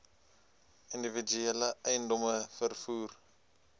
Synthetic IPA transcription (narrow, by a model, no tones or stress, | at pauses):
individ͡ʒyɛləʔɛjndɔməfərfuːr